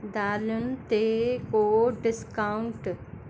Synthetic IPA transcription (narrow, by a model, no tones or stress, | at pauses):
d̪aːlʊnɪ̆t̪ekoɖɪskaʊ̃ɳʈ